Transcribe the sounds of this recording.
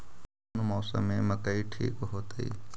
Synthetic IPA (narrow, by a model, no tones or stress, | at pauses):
numɔːsə̰mẽmɐkəiʈʰḭːkɦoːt̪ḭː